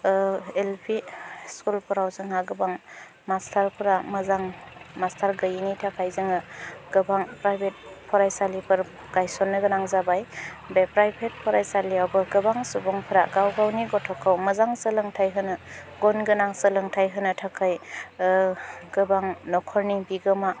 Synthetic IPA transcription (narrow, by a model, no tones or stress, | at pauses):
elpʰiskulpʰɔɾawzɯŋaɡɯbaŋ | mastʰaɾpʰɯɾamɯzaŋmastʰaɾɡɯjinitʰakʰajzɯŋɯɡ̥ɯbaŋpɾajbʱet̚ | pʰɔɾajsalipʰɯɾ | ɡ̥ajsɔnːɯɡɯnaŋzabajbepɾajbʰet̚pʰɔɾajsaliawbɯɡɯbaŋsubɔŋpʰɯɾaɡawɡawniɡɔtʰɔkʰawmɯzaŋsəlɯŋtʰajɦɯnɯɡɔnɡɯnaŋsəlɯŋtʰajɦɯnɯtʰakʰaj | ɡ̥ɯbaŋnɔkʰɔɾnibiɡɯma